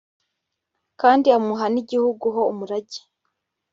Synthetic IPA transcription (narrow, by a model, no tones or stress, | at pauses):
kaːndiamuɦaniɟihuɡuɦo̞umuɾaɟi̥